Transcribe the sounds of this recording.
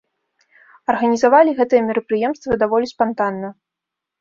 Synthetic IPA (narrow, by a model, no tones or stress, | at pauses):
ɐrɣɐnʲizavalʲiɣɛt̪ɨjɛmʲɛɾɐpɾɨjɛmst̪vɐd̪avɔlʲispant̪anːɐ